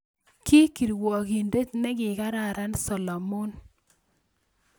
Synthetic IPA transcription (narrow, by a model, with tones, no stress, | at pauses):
ki˦ki˨ɾwɔ˨ki˨nde˦tnɛ˦ɡɪ˨ka˦ɾa˦˨ɾa˦nsɔ˨lɔ˨mo˦n